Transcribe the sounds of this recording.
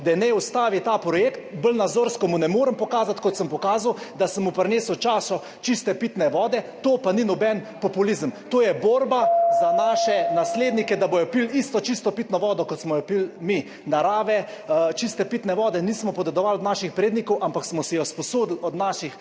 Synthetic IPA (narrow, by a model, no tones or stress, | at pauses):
d̪ɛnɛust̪aːʋit̪apɾɔjeːkt̪̚bəlnad̪zoːɾskɔmunɛmoːɾəmpɔkaːzat̪kɔt̪səmpɔkaːzawd̪asəmupɾneːsəwt͡ʃaːsɔ | t͡ʃist̪ɛpit̪nɛʋɔːd̪ɛt̪oːpaninɔbɛnpɔpulizəmt̪oːjɛboːɾbazanaːʃɛnasleːd̪nikɛd̪abojɔpilist̪ɔt͡ʃist̪ɔpiːt̪nɔʋɔːd̪ɔkɔt̪smɔjɔpilmi | naɾaːʋɛ | t͡ʃist̪ɛpiːt̪nɛʋɔːd̪ɛniːsmɔpɔd̪ɛd̪ɔʋalɔd̪naːʃixpɾeːd̪nikɔwʔampaksmɔsɛjɔspɔsoːd̪l̩ɔd̪naːʃix